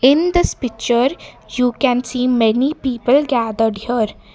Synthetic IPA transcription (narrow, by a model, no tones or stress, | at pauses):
ɪ̃nd̪ɪspɪk̚t͡ʃəɾ | juːkɛ̃nsiːmɛnipiːpəlɡæːd̪əɾɖjəɾ